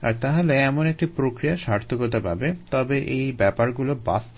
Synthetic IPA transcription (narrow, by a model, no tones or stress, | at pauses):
a̰ɾt̪aɦaleɛmonek̚ʈipɾokɾijaʃaɾt̪ʰokot̪̬apabet̪ɔbeʔejbɛpaɾɡuloba̰s